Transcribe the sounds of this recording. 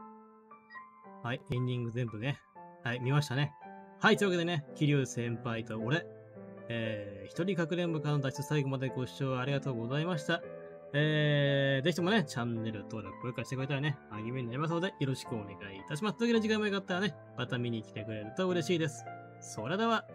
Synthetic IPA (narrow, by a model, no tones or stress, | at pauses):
haiẽ̞ɲ̟ʲːĩŋɡɯ̟zẽ̞mbɯ̟ne̞ | haimʲimaɕi̥t̪ane̞hait̪oiβake̞d̪e̞ne̞kʲiɾʲɨːsẽ̞mpait̪o̞oɾe̞ | eːçi̥t̪o̞ɾʲikakɯ̟ɾẽ̞mbɯkãnod̪ai̥t̪osaiɡo̞mad̪e̞ɡo̞ɕt͡ɕo̞ːaɾʲiɡat̪o̞ːɡo̞zaimaɕi̥t̪a | eːde̞k̬ʲit̪o̞mo̞ne̞t͡ɕãnːe̞ɾɯt̪o̞ːɾakɯ̥koekaɾaɕi̥t̪ekɯɾet̪aɾane̞aɡʲimʲeɲinaɾʲimas̬od̪e̞jo̞ɾo̞ɕi̥kɯ̟one̞̰ɡaiːt̪aɕ̬imasɨ̥t̪okʲid̪eʑikãĩmːojokat̪ːaɾane̞ | mat̪amʲiɲ̟ikʲi̥t̪e̞kɯ̟ɾe̞ɾɯ̟t̪o̞ɯ̟ɾe̞ɕiːd̪e̞sɨ̥ | so̞ɾe̞d̪e̞βa